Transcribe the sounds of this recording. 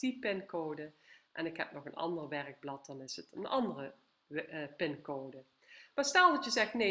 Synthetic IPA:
tipɪnkowdəʔɛ̰nɪkɦɛ̰p̚nɔxənɑ̰ndərʋɛrəɡ̚blɑt̚d̥ɑnɪsətənɑndərə | pɪnkowdə | maːsnɛlˠdɑtjəzɛxtne

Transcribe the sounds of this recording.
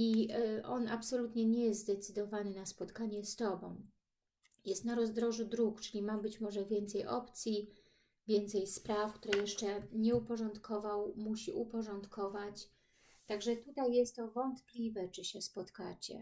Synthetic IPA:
iʔɔnapsɔlut̪ɲɛɲɛjɛzt̪d̪ɛt̪sɘd̪ɔvanɘnaspɔt̪kaɲɛst̪ɔbɔ̃w̃ | jɛst̪naɾɔzd̪ɾɔʐud̪ɾukt͡ʂɘlʲimabɘt͡ɕmɔʐɛvʲjɛnt̪sɛjʔɔ̰pt̪sʲji | vʲjɛnt̪sɛjspɾafkt̪uɾɛjɛʂt͡ʂɛɲɛupɔʐɔnt̪kʰɔvawmuɕiʔupɔʐɔnt̪kɔvat͡ɕ | t̪aɡʐɛt̪ut̪ajːɛst̪ːɔvɔnt̪plʲivɛt͡ʂɘɕɛspɔt̪kat͡ɕɛ̰

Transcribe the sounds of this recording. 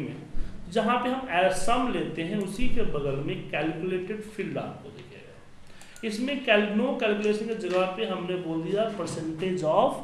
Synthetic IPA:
mḛ̃d͡ʒɐɦãpeɦɐmɛːɾsəmleːt̪eɦɛ̃ʊsikebɐd̪əlmẽkɛːlkuleːʈɪɖpʰɪlɖa̰ːp̚kod̪ḛkʰɛ̰ɡa | ɪsmẽkɛlnokɛːlkuleːʃənked͡ʒɐɡəpeɦɐmneboːld̪ijapəɾsə̃ɳʈeːd͡ʒɔːf

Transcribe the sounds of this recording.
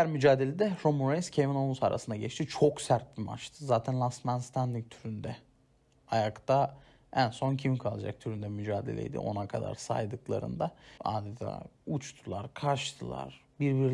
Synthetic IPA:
æɾmyd͡ʒaːd̪e̞lʲed̪ɛɾomuɾenscʰevinolˠusaɾʔa̰sɯnd̪aɟɛt͡ʃt̪ʰit͡ʃʰo̞ksæɾt̪̚bima̰ɾt͡ʃt̪ʰɯzaːt̪ʰænlˠasmanst̪ʰand̪iŋk̚t̪ʰyɾynd̪ɛ | ajakt̪a | ænso̞ncʰimkʰalˠad͡ʒa̰k̚t̪ʰyɾynd̪ɛmyd͡ʒaːd̪e̞̰lʲɛ̰jd̪ḭʔo̞̰nakʰad̪a̰ɾsa̰jd̪ɯklˠa̰ɾɯ̰nd̪aa̰ːd̪ɛt̪ʰa̰ːut͡ʃt̪ʰulˠaɾkʰaɾʃt̪ʰɯlˠa̰ɾ̥ | biɾbiɾ

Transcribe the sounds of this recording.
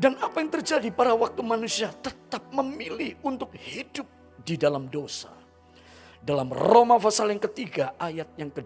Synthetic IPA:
danapajaŋt̪ərd͡ʒadipaɾawak̚t̪umanusiat̪ət̪ap̚məmilihunt̪ʊk̚hidʊp̚ | didalamdosa̰ | dalamromafasaljaŋkət̪iɡaʔajat̪̚jaŋkəd

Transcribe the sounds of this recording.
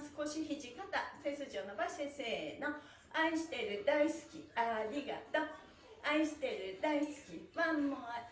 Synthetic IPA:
sɨ̥ko̞ɕiçiʑikat̪ase̞sɨʑo̞ːno̞baɕese̞ːno̞ | aiɕi̥t̪e̞ɾɯ̟d̪aisɨ̥kʲiaɾʲiɡa̰t̪o | aiɕi̥t̪e̞ɾɯ̟d̪aisɨ̥kʲimamoa

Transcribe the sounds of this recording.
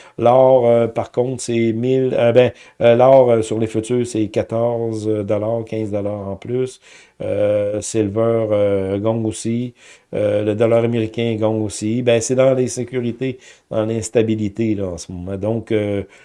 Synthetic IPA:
lɔːʁøpaʁkɔ̃t̪sɛmɪləbɛ̃ | lɔːʁəsyʁlefyt̪yːsɛkʲat̪ɔʁzd̪əlaːʁkʲʰɛ̃zd̪əlaːʁɑ̃plys | øselvœːʁøɡɔ̃ŋosiøləd̪ɔlaːʁameʁikʲɛ̃ɡɔ̃ŋosibɛ̃sɛd̪ɑ̃lesekʲyʁit̪ed̪̥ɑ̃lɛ̃st̪abilit̪elɔɑ̃səmɔmãd̪ɔ̃kø

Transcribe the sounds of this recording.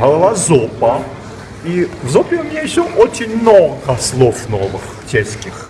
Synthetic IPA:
ɦɐlˠɐlazopɐ | ivzopʲɪʊmʲnʲejɪɕːoʔot͡ɕɪnʲmnoɡɐslˠofnovɨx | t͡ɕʲesʲkʲɪx

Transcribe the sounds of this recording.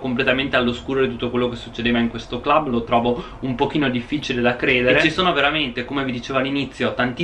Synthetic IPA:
komplet̪ament̪ealːoskuːɾod̪it̪ut̪ːokwelːokesːut͡ʃːed̪eːvaiŋkwest̪oklablot̪ɾɔːvo | umpok̟iːnod̪ifːit͡ʃiled̪akɾeːd̪eeɾet͡ʃisoːnoveɾament̪ekomevid̪it͡ʃeːvalːinit̪sːjot̪ant̪i

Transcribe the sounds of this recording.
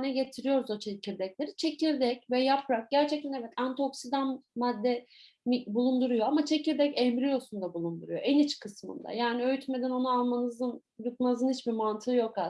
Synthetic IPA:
nɛɟe̞t̪ʰiɾijo̞ɾuzo̞t͡ʃʰeciɾd̪ɛclʲe̞ɾit͡ʃʰe̞ciɾd̪ɛcvɛjapʰɾak̚ɟæɾt͡ʃʰɛct̪ʰænevɛt̪ʰænt̪ʰo̞ksid̪anmad̪ːɛ | mibulˠund̪uɾujoamat͡ʃʰe̞ciɾd̪ɛcɛmɾijo̞sund̪abulˠund̪uɾujo̞ʔɛnit͡ʃkʰɯsmɯ̰nd̪a̰jaːniø̞jyt̪me̞d̪æno̞nualˠmanɯzɯn | jut̪manzɯnhit͡ʃbimant̪ʰɯːjo̞ka

